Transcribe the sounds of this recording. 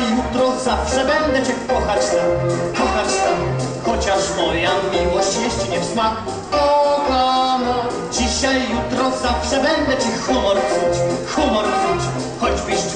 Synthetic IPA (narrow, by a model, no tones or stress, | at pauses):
jut̪ɾɔzafʂɛbɛnd̪ɛt͡ɕɛkɔxat͡ɕt̪amkɔxat͡ɕt̪am | xɔt͡ɕaʂmɔjamʲːiwɔɕt͡ɕjɛɕt͡ɕiɲɛfsmak | ɔkam | d͡ʑiɕajːut̪ɾɔzafʂɛbɛnd̪ɛt͡ɕɛxumɔɾt̪sut͡ɕxumɔɾsut͡ɕ | xɔd͡ʑbɨɕ